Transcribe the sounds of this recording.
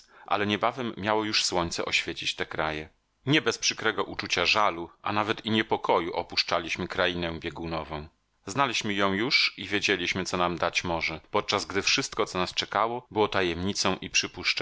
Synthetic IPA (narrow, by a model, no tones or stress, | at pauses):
ʔa̰lɛɲɛbavɛmːjawɔjuʂswɔɲt̪sɛ̰ʔɔɕfʲjet͡ɕit͡ɕt̪ɛkɾajɛ | ɲɛbɛspʂɘkɾɛɡɔʔut͡ʂut͡ɕaʐaluʔa̰navɛt̪iɲɛpɔkɔjuʔɔpuʂt͡ʂalʲiɕmɘkɾainɛ̃bʲjɛɡunɔvɔ̃w̃ | znalʲiɕmɘjɔ̃w̃juʂivʲjed͡ʑelʲiɕmɘɔnamd̪at͡ɕmɔʐɛpɔt̪̚t͡ʂazɡd̪ɘfʂɘst̪̚kɔt̪sɔnast͡ʂɛkawɔbɘwɔt̪ajɛmɲit̪sɔ̃w̃ʔipʂɘpuʂt͡ʂ